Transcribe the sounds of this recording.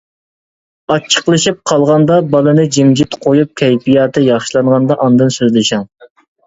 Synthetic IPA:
ɑt͡ʃʰːə̥qlˠɨʃip̚qʰɑlˠʁɑnd̪ɑbɑlˠɨnɨd͡ʒimd͡ʒit̪qʰojup̚kʲʰɛjpijɑːt̪ʰɨjɑχʃilˠɑɴʁɑnd̪ɑʔɑnd̪ɨnsøzlɪʃɑŋ

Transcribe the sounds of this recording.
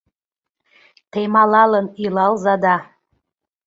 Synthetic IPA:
t̪emɑlɑlənilɑlzɑd̪ɑ

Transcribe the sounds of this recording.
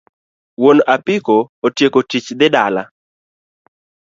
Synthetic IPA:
wonapɪkoːtjekotit͡ʃd̪ɪdala̰

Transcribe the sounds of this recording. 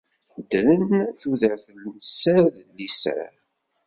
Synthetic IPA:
d̪ələnθuðəɾθənəsːəɾðənːisə̰ɾ

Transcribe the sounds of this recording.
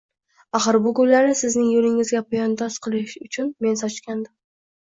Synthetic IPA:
aχɨɾbʊɡʊjlaɾnɪsɪznɪŋjolɪŋɪzɡʲapʰʊjɒnd̪ɒsqʰɨlˠɪʃʊt͡ʃʰʊnme̞nsɒt͡ʃkʲʰand̪ɪm

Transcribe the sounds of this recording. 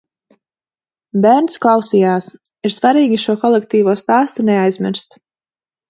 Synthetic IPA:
bæɾnt̪sklˠɑwsiːjaːs | iɾsvaɾiːɡʲiʃuɔkɔlˠɛk̚t̪iːvuɔst̪aːst̪unɛajzmʲiɾst̪

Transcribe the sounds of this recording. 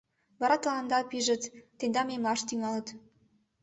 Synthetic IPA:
vɑɾɑt̪ɑlɑnd̪ɑpʲiʒɘ̆t̪ːend̪ɑmʲemlˠɑʃt̪iŋɑlˠɤ̆t̪

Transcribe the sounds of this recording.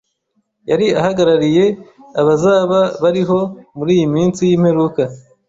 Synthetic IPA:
jaɾiahaɡaɾaɾije̞aβazaːβaβaɾiɦo̞muɾiːjimiːnsijiːmhe̞ɾuka

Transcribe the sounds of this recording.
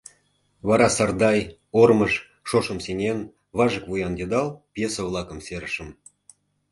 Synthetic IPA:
βɑɾɑsɑrd̪ɑj | orməʃ | ʃoʃəmsenʲen | βɑʒəkvujɑnd̪ʲed̪ɑlpjesəvlˠɑkəmseɾəʃə̆m

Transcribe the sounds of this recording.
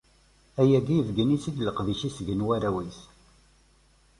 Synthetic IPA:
æjæɡijəvɡənit͡sid̪ləqðiʃisʝənwæɾæwiθ

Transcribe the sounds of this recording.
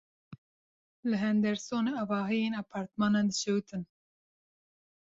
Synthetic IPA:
lɨɦɛnd̪ɛɾsoːneɑvɑːɦijeːnɑpʰɑːɾt̪mɑːnɑːnd̪ɨʃɛwt̪ʰɨn

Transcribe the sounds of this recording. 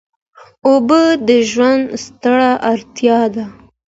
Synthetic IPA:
obəd̪əʒwand̪st̪əɽaʔaɾt̪jɑd̪a

